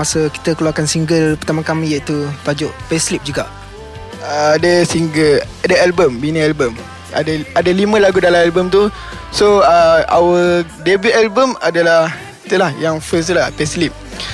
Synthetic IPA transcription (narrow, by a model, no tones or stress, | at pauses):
asəki̥t̪əkəluakansiŋɡəlpərt̪amãkamiit̪upad͡ʒʊʔpɛslip̚d͡ʒuɡaʔ | ədəsiŋɡəladəalbəmbinə̃albəm | a̰daadalimə̃laɡudalamalbəmt̪u | soəa̰wə | debuʔalbəmadalah | it̪ulahjaŋfəs̬t̪lapɛslip̚